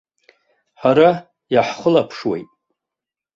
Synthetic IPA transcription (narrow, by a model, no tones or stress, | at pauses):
ħaɾa | jaħχəlapʰʂwḛjtʼ